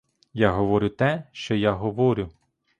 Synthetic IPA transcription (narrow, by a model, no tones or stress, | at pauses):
jaɦɔʋɔɾʲʊt̪ɛʃt͡ʃɔjaɦɔʋɔɾʲʊ